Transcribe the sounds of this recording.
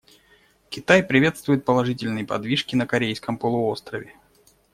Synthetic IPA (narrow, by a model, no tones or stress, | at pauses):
kʲɪt̪ajpɾʲɪvʲe̞t̪st̪vʊjɪt̪̚pəlˠɐʐɨtʲɪlʲnɨjpɐd̪vʲiʂkʲɪnəkɐɾʲejskəmpəlˠʊo̞st̪ɾəvʲɪ